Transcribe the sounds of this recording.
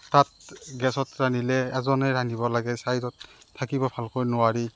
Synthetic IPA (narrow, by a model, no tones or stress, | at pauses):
tat̚ɡɛsɔtɹanilɛɛzɔnɛɹanibɔlaɡɛsajɾɔtʰːakibɔbʱalkojnʊwaɹi